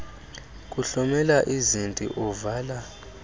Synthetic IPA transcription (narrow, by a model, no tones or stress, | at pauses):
kʼuɬɔmɛlaʔizintʼḭʔɔvaːla